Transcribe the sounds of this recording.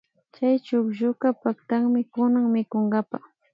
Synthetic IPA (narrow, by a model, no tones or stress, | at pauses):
t͡ʃajt͡ʃʊkʒʊkapakt̪aŋmɪkʊnaŋmɪkoŋɡapa